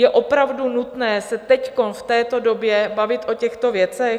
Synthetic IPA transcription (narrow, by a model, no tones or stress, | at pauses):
jɛʔo̞pɾavdunut̪nɛːsɛt̪ɛcko̞nft̪ɛːt̪o̞do̞bjɛbavɪt̪ʔo̞cɛxt̪o̞vjɛt͡sɛx